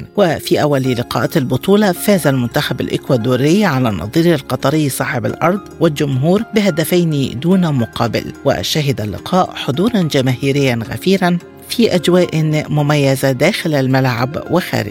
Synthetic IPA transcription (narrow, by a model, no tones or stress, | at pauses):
wɪfiːʔawːalilɪqɑ̰ːʔalbʊt̪ˤuːlɑfaːzalmʊnt̪axaba̰lʔɪ̰kwaːd̪oːɾɪjʕalaːnɑ̰ðˤiːɾalqɑt̪ˤɑɾɪjːsˤɑːħɪba̰lʔɑ̰ɾˤd̪ˤwɪld͡ʒʊmɦuːɾbɪɦad̪afajnid̪uːnamʊqʰɑːbɪ̰lwɪ̰ʔʃaɦɪd̪alːɪ̰qʰɑːʔħod̪ˤuːɾˤɑnd͡ʒamaːhiːɾɪjːanɣa̰fiːɾan | fiːʔad͡ʒwaːʔmʊmajːazad̪aːxɪlalmalʕa̰bwɪxa̰ːɾɪ̰d͡ʒ